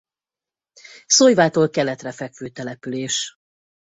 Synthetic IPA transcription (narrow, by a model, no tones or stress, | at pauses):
sojvaːt̪oːlkɛlɛt̪rɛfɛkʋøːt̪ɛlɛpyleːʃ